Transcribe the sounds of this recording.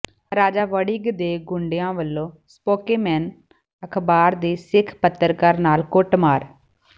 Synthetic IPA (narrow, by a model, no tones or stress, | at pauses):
ɾaːd͡ʒaːʋəɽiːɡd̪eːɡʊɳɖejãːʋəlːõːspoːkeːmɛːn | əkʰbaːɾd̪eːsɪkʰpət̪ːəɾkəɾnaːlkʊʈmaːɾ